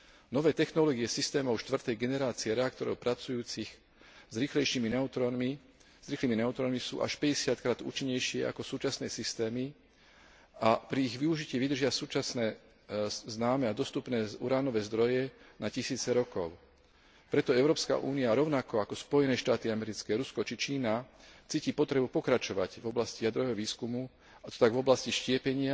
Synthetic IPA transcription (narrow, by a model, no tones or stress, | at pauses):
nɔʋɛːt̪ɛxnɔlɔːɡiɛsist̪ɛːmɔʊʃt̪ʋr̩t̪ɛjɡɛnɛɾaːt͡siɛɾɛak̚t̪ɔɾɔ̰ʊpɾat͡sujuːt͡six | zɾiːxlɛjʃiːminɛut̪ɾɔnmi | z̥ɾiːxliːminɛut̪ɾɔnmisṵːʔa̰ʃpɛɟɛsɪat̪̚kɾaːd̪ṵːt͡ʃiɲːɛjʃɪɛa̰kɔsuːt͡ʃasnɛːsist̪ɛːmi | apɾiiɣʋiuʒicɪɛʋid̪r̩ʒɪasuːt͡ʃasnɛː | znaːmɛad̪ɔst̪upnɛːṵɾaːnɔʋɛːzd̪ɾɔjɛnacisiːt͡sɛɾɔkɔʊ | pɾɛt̪ɔɛʊɾɔːpska̰ʔṵːniaɾɔʊnakɔakɔspɔjɛnɛːʃt̪aːt̪iamɛɾit͡skɛːɾuskɔt͡ʃit͡ʃiːnat͡siːcipɔt̪ɾɛbupɔkɾat͡ʃɔʋaɟvɔblascijad̪ɾɔʋɛːɦɔʋiːskumu | at̪ɔ̥t̪aɡvɔblasciʃcɪɛpɛɲɪa